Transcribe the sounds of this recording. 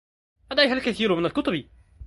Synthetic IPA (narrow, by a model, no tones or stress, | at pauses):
ʔæd̪æjɦælkæθiːɾmɪnælkʊt̪ˤʊbi